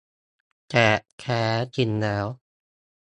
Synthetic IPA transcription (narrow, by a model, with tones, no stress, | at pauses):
t͡ɕɛ˨˩kʰɛː˦˥t͡ɕi˧nlɛː˦˥w